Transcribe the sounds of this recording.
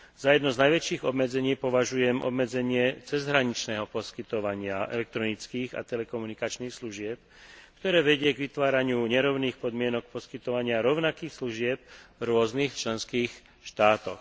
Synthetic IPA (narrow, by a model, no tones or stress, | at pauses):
zajɛd̪nɔznajʋɛt͡ʃiːɣɔbmɛd͡zɛɲiːpɔʋaʒujɛmʔɔ̰bmɛd͡zɛɲɪɛt͡sɛzɦɾaɲit͡ʃnɛːɦɔpɔskit̪ɔʋaɲɪaʔɛ̰lɛk̚t̪ɾɔnit͡skiːɣa̰t̪ɛlɛkɔmunikat͡ʃniːxsluʒɪɛp | kt̪ɔɾɛːʋɛɟɪɛɡʋit̪ʋaːɾaɲɪuɲɛɾɔʊniːxpɔd̪mɪɛnɔk̚pɔskit̪ɔʋaɲɪaɾɔʊnakiːxsluʒɪɛb̚vɾʊɔzniːxt͡ʃlɛnskiːx | ʃt̪aːt̪ɔx